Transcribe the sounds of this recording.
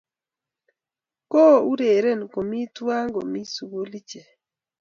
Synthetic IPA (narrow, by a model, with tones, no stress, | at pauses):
ko˦˨u˦ɾe˨ɾe˦˨n˨ko˨mi˦twa˦ŋɡo˨mi˦su˨ɡo˦li˦t͡ʃe˨